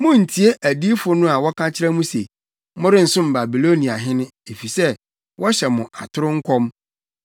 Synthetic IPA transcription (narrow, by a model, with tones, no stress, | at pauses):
mʊ̃˦n̩˨tʰi˨e˦ʔæ˨di˦fʊ˦nʊ̃˦a˨wɔ˦kʰã˦t͡ɕʰɪ˦ɾɛ˦mũ˦se˨ | mʊ˦ɾɪ̃˦n̩˨sʊ̃˦m˨ba˨bi˨lo˦nĩ˨a˨ɦɪ̃˦nʊ̃˦e˨fi˨sɛ˦ | wʔɔ˦ɕɛ˨mʊ̃˨ʔa̰˨tʰʊ˦ɾʊ˦ŋ̩˦kʰɔ˦m